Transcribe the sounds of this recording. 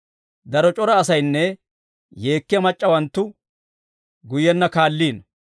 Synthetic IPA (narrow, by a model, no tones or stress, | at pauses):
d̪ɐɾɔt͡ʃʼɔɾɐːsɐjnːɛ | je̞ːkːɪjɐmɐt͡ʃʼːɐwɐnt̪ːʊ | ɡʊjɛnːɐkaːlːiːn